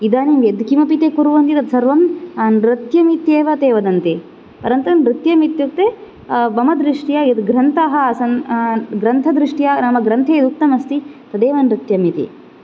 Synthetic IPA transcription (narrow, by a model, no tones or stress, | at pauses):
id̪aːnimjed̪kimɐpit̪eːkuɾuʋɐnt̪it̪ɐt̪sɐɾʋɐmɐnɾit̪jɐmit̪jeːʋɐt̪eːʋɐd̪ɐnt̪e | pɐɾɐnt̪ɐnɾit̪jɐmit̪jukt̪e | bɐmɐd̪ɾiʂʈijɐet̪ɡɾɐnt̪aːɦɐsɐnɡɾɐnt̪ʰɐd̪ɾiʂʈijaːnaːmɐɡɾɐnt̪ʰeːd̪uk̚t̪ɐmɐst̪it̪ɐd̪eːʋɐnɾit̪jɐmit̪ḭ